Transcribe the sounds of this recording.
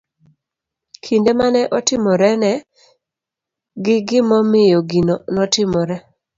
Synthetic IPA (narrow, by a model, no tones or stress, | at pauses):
kʰindemanɛʔɔtɪmɔɾɛnɛ | ɡɪɡɪmɔmɪjoɡinonɔtɪmɔɾɛ